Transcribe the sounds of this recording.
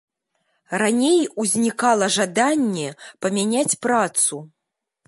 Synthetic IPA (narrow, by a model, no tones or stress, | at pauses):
ranʲejuzʲnʲikalˠɐʐad̪anʲːɛpɐmʲanʲat͡sʲpɾat̪su